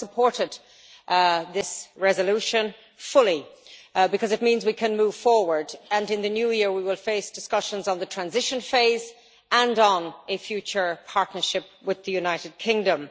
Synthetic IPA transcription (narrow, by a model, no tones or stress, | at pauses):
səpʰɔɹɾɪd̪̚ | ðɪsɹɛzəluʃə̃n | fʊlˠi | bɨkʰʌzɨt̚mĩnzwikʰɨ̃nmuːv̥fɔɹwə˞də̃nɨ̃nðɨnjʉjɪɹwiwɪlˠfeɪsd̥ɪskʌʃə̃nzn̩ðətʰɹ̥æ̃nzɪʃə̃nfeɪz | ə̃ndn̩ɨfjʉt͡ʃə˞pʰaɹtⁿnə˞ʃɪp̚wɪðɨjʉnaɪɾɨd̚kʰɪ̃ŋdə̃m